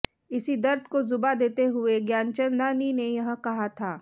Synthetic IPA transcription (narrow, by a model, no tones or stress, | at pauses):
ɪsid̪ɐɾd̪ʱkozʊbad̪eːt̪eɦʊeɡjaːnt͡ʃə̃nd̪aːninejɐɦkɐɦat̪ʰaː